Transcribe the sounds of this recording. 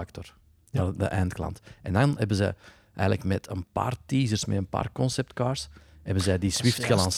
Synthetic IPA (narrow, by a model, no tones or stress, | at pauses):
ktɔr | də̰ʔɛːntklɑ̰ntɛndɑnɦɛbənzɛ̰j | ʔɛ̰ːjɣələkmɛtʰənpa̰ːrtiːzərsmɛ̰ənpa̰ːrkɔnsɛp̚tkaːrshɛbənzɛjdiswɪftxəlɑns